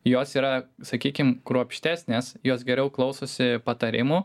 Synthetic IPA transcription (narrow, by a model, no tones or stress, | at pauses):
joːsiːɾɐsɐkʲiːkʲɪmkɾuɔpʲʃʲt̪ʲæːsʲnʲeːsjoːs̬ɡʲɛɾʲɛʊklˠɒʊsoːsʲɪpɐt̪ɐɾʲɪmuː